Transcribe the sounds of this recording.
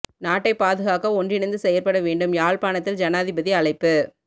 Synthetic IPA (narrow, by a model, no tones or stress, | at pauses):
naːʈːɐɪpːaːðɯɣaːkɐɔndrɪnɐɪnd̪ɯsɛjɐɾpɐɽɐʋeːɳɖɯmjaːɭpaːnɐt̪ːɪld͡ʒɐnaːðɪbɐðiɐɭɐɪpːɯ